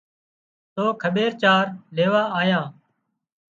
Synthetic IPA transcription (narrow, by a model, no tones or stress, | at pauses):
t̪oːkʰəɓeːɾt͡ʃaːɾleːʋaːaːjãː